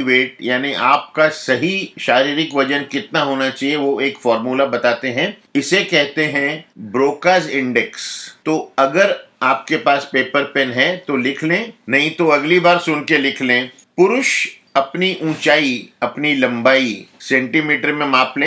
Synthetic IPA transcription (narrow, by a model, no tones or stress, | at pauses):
ʋeːʈ̚jaːniʔaːp̚kasɐɦiʃaːɾiːɾɪkʋɐd͡ʒənkɪt̪naɦoːnat͡ʃaːɦieʋoeːkfɔːɾmuːlabɐt̪aːt̪eɦɛ̃ɪsekɛɦt̪eɦɛ̃bɾoːkaːzɪ̃ɳɖɛkst̪oɐɡəɾaːp̚kepaːspeːpəɾpɛnɦɛt̪olɪkʰlẽːnɐɦĩt̪oɐɡlibaːɾsʊnkelɪkʰlẽː | pʊɾʊʃ | ɐpniʔũːt͡ʃaːiɐpnilɐ̃mbaːisɛ̃ɳʈimiːʈəɾmẽmaːplẽ